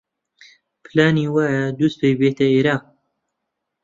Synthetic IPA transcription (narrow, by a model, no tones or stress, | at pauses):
pʰɨlaːniːwaːjad̪us̚pʰejbeːt̪ʰɐeːɾaːq̚